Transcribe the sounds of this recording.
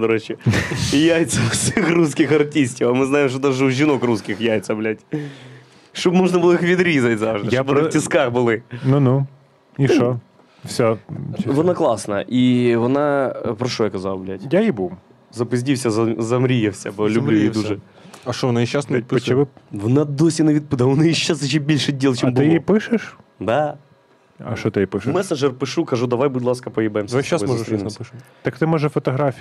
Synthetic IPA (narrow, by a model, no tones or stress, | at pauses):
d̪ɐɾot͡ɕɪijajt̪sɐfsʲixruskʲɪxɐrtʲisʲtʲɪfɐmɨznajɪmʂ̬t̪od̪aʐɨʊʒʲɪnokruskʲɪxjajt̪sɐblʲætʲ | ʂt̪obmoʐnɐbɨlˠɔixʋʲɪd̪ɾʲizɐtʲzaʐd̪ɨjab̪tʲɪskaxbɨlˠɪnunu | iʃo | fsʲovɔnaklˠɑsnɐ̰ʔiʋɔnapɾɐʂɔjɛɐkɐzalˠɐblʲætʲjajibu | zɐpɪzʲdʲiwsʲɐzɐzɐmɾʲijɛfsʲɛbɔlʲʊmblʲujjid̪uʒɛ | ɐʃt͡ʃɔʋɔnajiʃasnɐit̪̚ʲp̪t͡ʃɪʋɪʋɔnad̪ɔsʲinɐʋʲid̪̚pɨd̪ɐɔnɪiʃaszɐt͡ʃibʲilʲʃɪdʲilˠt͡ʃimb̪ɪjipɪʃɪʃd̪a | ɐ̰ʃt͡ʃɔt̪ɪjipɪʃɪmɛsɐʐɛrpɨʂukɐʐud̪ɐʋajbʊdʲlˠaskɐpɐjɛbɐjɪmsʋʃt͡ʃːasmɔʊisnʲpɪʃt̪ɐkt̪ɪmɔʒɛfɔt̪ɔɦɾafʲ